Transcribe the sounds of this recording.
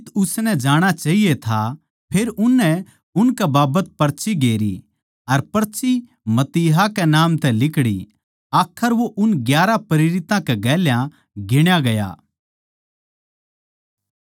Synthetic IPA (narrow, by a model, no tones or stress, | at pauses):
ɪt̪ʊsnɛd͡ʒaːɽ̃at͡ʃaːɦijet̪ʰa | pʰeːɾʊnːɛ | ʊnkɛbaːbət̪̚pɐɾt͡ʃʰiɡeːɾḭ | ɐɾpɐɾt͡ʃi | mɐt̪iːɦakɛnaːmt̪ɛlɪkɽḭ | aːkʰəɾʋoʔʊnɡjaːɾapɐɾɪɾɪt̪ãkɛɡɛːljã | ɡɪɽ̃jaɡɐja̰ː